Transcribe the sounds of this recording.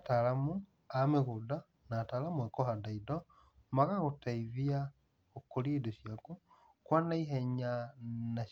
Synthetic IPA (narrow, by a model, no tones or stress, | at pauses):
talamu | ameɣuda | natalamuekohadaido | maɣaɣutaiβia | okolieduʃjaku | kwanaiɦeɲana